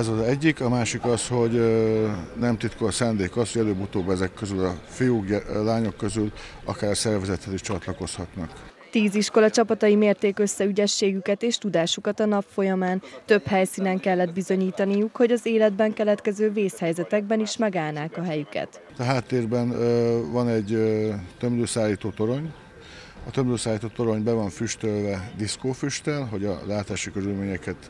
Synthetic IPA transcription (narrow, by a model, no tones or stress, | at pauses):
ɛzɒzɛɟːikɒmaːʃikɒsho̞ɟ | nɛmt̪it̪kosaːnd̪eːkɒshoɟɛløːbut̪oːbɛzɛkːøzylɒfijuːkɛlaːɲo̞kːø̞zyl | ɒ̰kaːɾɒsɛrvɛzɛt̪hɛziʃt͡ʃɒt̪lɒko̞shɒt̪nɒk | t̪iːziʃko̞lɒt͡ʃɒpɒt̪ɒimeːrt̪eːkø̞sːɛyɟɛʃːeːɡykɛt̪eːʃt̪ud̪aːʃukɒt̪ɒnɒpfo̞jɒmaːnt̪ø̞phɛjsiːnɛŋkɛlːɛd̪̚bizo̞ɲiːt̪ɒnijukho̞ɟɒzeːlɛd̪bɛŋkɛlɛt̪kɛzøːveːshɛjzɛt̪ɛɡ̚bɛniʃmɛɡaːlnaːkɒɦɛjykɛ̰t̪ | t̪ɒɦaːt̪ːeːrbɛnvɒnɛɟt̪ømløːsaːlːiːt̪oːt̪o̞ɾo̞ɲ | ɒt̪ømbzøːsaːlːiːt̪oːt̪o̞ɾo̞ɲbɛvɒɱfyʃt̪ølvɛd̪iskoːfyʃt̪ɛlɦo̞ɟɒ̰laːt̪aːʃikøɾylmeːɲɛkɛt̪